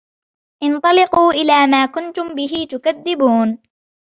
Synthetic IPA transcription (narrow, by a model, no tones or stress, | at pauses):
ʔɪnt̪ˤɑlɪquːʔɪlaːmaːkʊnt̪ʊmbɪɦɪt̪ʊkaðːɪbuːn